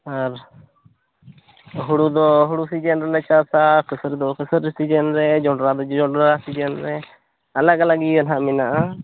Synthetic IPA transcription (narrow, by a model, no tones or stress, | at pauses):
aɾ | ɦuɽud̪ɔɦuɽusid͡ʒɛnɾɛlɛt͡ʃasakʰəsəɾd̪ɔkʰəsəɾisid͡ʒɛnɾɛd͡ʒɔɖɾad̪ɔd͡ʒd͡ʒɔɖɾasid͡ʒɛnɾɛ | alakalaɡiənɦaminaʔa